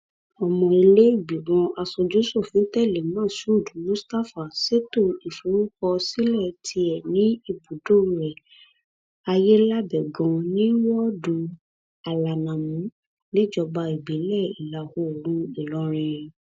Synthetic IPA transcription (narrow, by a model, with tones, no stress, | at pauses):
ɔ˨mɔ̃˧i˧le˦i˦˨bi˨wɔ̃˧a˧sɔ˧d͡ʒu˨˦so˦˨fĩ˨˦tɛ˦˨le˨mãː˦˨su˦o˦˨du˨˦mũ˦sta˦fa˨se˦to˦˨i˨fu˨˦ɾũ˦kɔ˧si˦lɛ˦˨tʰi˧ɛ˨nĩ˨˦i˦˨bu˨do˦˨˦ɾɛ˨ | a˧je˦la˦bɛ˨ɡɔ̃˧nĩ˦wɔ˦du˨˧ | a˨la˨nã˨mũ˨˦ | nĩ˦d͡ʒɔ˧ba˧i˨bi˨˦lɛ˦˨i˨la˨ho˨˦o˨ɾ̃ũ˦i˦˨lɔ˨˦ɾ̃ĩ˧ɾ̃ĩ˧